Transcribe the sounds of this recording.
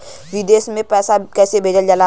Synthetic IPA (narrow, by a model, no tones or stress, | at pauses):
ʋid̪eːsmẽpɛːsakɛːsebʱeːd͡ʒəld͡ʒəlaː